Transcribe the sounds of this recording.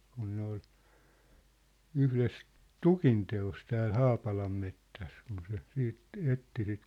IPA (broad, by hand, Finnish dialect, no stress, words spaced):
kun ne ol yhles tukinteos tæːl hɑːpɑlɑmːetːæs kun se siːt etːi sit